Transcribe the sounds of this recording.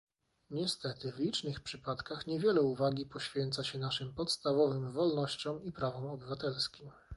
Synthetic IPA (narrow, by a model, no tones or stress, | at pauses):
ɲɛst̪ɛt̪ɘvlʲit͡ʂnɘxpʂɘpat̪kaxɲɛvʲjɛlɛuvaɡʲipɔɕfʲjɛnt̪saɕɛnaʂɘmpɔt̪st̪avɔvɘmvɔlnɔɕt͡ɕɔ̃w̃ipɾavɔmɔbɘvat̪ɛlskʲim